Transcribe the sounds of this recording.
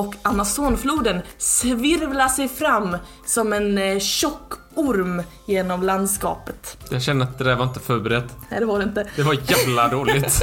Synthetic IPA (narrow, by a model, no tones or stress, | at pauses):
ɔkʰːamasoːnfluːd̪ənsvɪɾvlasɛjfɾamː | sɔmɛnɕɔkː | ʊɾm | jeːnɔmland̪skɑ̰ːpət̪jɑɡɕɛnəat̪̚d̪ɛd̪æːɾvaɾɪnt̪əfœːɾbɛɾɛd̪ːnɛjd̪ɛvaɖɛɪnt̪əd̪ɛvaɾjæːvlad̪oːlɪt̪